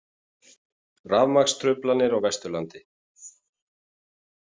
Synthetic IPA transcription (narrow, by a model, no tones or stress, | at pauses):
ravmakst̪ʰɾʏplanːɪɾawvɛst̪ʏɾlant̪ɪ